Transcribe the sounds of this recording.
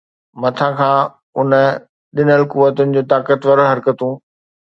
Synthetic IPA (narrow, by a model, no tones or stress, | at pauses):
mɐt̪ʰãkʰãː | ʊnə̆ | ɗɪnəlkuʋət̪ʊnɪ̆d͡ʑoːt̪aːkət̪ʋəɾɦɐɾkət̪ũː